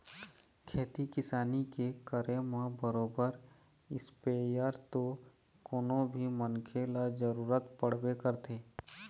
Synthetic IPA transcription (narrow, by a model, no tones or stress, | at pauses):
kʰeːt̪ikɪsaːnikekəɾemãbəɾoːbəɾ | ɪspeːjəɾt̪o | koːnõbʱimənkʰeːlad͡ʒəɾuːɾət̪pəɽ̤bekəɾt̪ʰeː